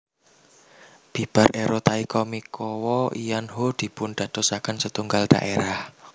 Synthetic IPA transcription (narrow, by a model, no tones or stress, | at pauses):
b̥i̤b̥a̤ɾʔeɾɔt̪aikɔmikʰɔwɔijanɦod̪̥i̤pʊnd̪̥ä̤d̪̥ɔ̤sakansət̪uŋɡald̪̥a̰ʔeɾah